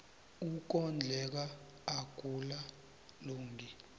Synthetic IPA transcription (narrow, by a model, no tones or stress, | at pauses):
uk̬ɔnd͡ɮʱɛk̬aː | ɡ̥ʱula | loːŋɡʱi